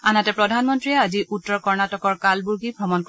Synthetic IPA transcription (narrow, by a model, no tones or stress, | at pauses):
anatɛpɹɔdʱanmɔntɹiɛaziutːɔɹkɔɹnatɔkɔɹkalbuɹɡibʱɹɔmɔnk